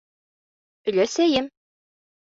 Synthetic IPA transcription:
ɵ̆læsæjɘm

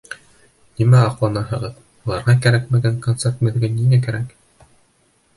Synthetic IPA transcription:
nimæɑqlˠɑnɑɦɤ̆ʁɤð | ulˠɑɾʁɑkæɾækmɘ̆ɡæŋkont̪sert̪mɘ̆ðɘ̆ɡɘnːiŋæk̬æɾæk

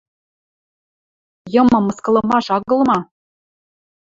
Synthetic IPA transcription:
jɤ̆mɤ̆mɤ̆skɤ̆lˠɤ̆mɑʃɑɣɤ̆lˠmɑ

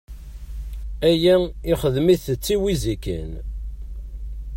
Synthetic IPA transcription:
æjæɪχəðmiθət͡sːiwizikə̰n

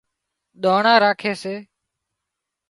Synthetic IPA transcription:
ɗ̪oːɳãːɾaːkʰeːseː

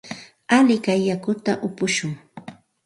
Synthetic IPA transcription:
alɪkajːakʊt̪a̰ʔʊpʊʃʊŋ

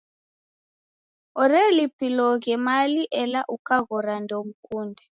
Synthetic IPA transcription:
ɔɾɛlipilɔɣɛmaliʔɛlaʔukaɣɔɾandʱom̩kʰuːndʱɛ

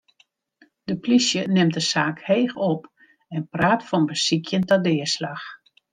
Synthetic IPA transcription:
d̥əplisjənɪmdəsaːkheːxɔp | ɛnpraːtfɔnbəsikʰjəntadɪːəslax

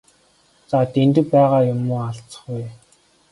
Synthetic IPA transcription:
t͡sat̪ent̪ɘ̆pæːʁaːjʊmʊːaɬt͡sə̥̆χuj

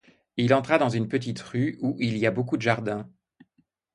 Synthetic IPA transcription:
ilɑ̃t̪χad̪ɑ̃zynpət̪it̪ʁyuʔiliabokud̪əʒaʁd̪ɛ̃

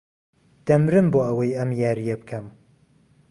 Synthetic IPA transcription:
d̪̥ɐmɾɨmboːɐwɐjɐmjaːɾijɐbɨkʰɐm

